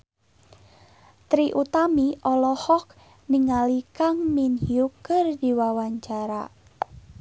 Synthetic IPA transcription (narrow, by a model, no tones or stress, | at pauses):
t̪ɾiʔut̪amiʔɔlɔhɔk̚ | niŋalikaŋminhjukərdiwawaɲt͡ʃaɾa̰